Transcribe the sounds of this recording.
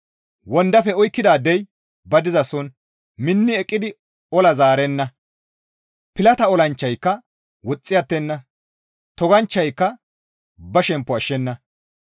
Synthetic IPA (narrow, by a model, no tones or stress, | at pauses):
wɔnd̪ɐfɛɔjkːɪd̪aːd̪ɛj | bɐd̪ɪzɐsɔn | mɪnːɪɛkʼːɪd̪ɪ | ɔlɐzaːɾɛnːɐ | pɪlɐt̪ɐɔlɐnt͡ʃːɐjkːɐ | wɔt͡sʼːɪjɐt̪ːɛnːɐ | t̪ɔɡɐnt͡ʃːɐjkːɐ | bɐʃɛmpːɔɐʃːɛnːɐ